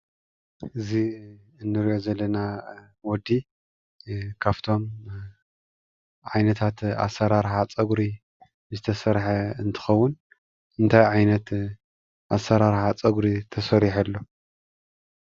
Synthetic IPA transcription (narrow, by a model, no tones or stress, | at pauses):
ʔɨzi | ɨnːɨɾiʔozɐlːɐna | wɔd̪i | kʰaβt̪ʰo̞m | ʕajnɐt̪ʰat̪a̰sːɐɾaɾħat͡sʼɐɡɾi | zɨt̪ʰɐsɐɾħɐɨnt̪ʰɨ̥xɐwːʊn | ɨnt̪ʰajʕajnɐt̪ | ʔasːɐɾaɾħat͡sʼɐɡɾit̪ʰɐsɐɾiħɐlːo̞